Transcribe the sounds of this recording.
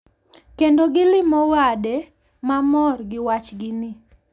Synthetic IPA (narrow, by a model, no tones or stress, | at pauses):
kendoɡɪlɪmɔwade | mamɔrɡɪwat͡ʃɡɪnɪ